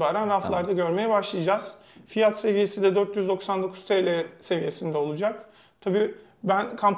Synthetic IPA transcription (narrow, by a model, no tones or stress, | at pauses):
baːɾænɾaflˠaɾd̪aɟøɾme̞jɛbaʃlˠɯjad͡ʒaz̥ | fijat̪se̞vije̞sind̪ɛd̪øɾt̪jyzd̪o̞ksand̪o̞kʰu̥zt̪ʰeːlʲɛse̞vije̞sind̪ɛo̞lˠud͡ʒak | t̪ʰabiː | bænkʰamp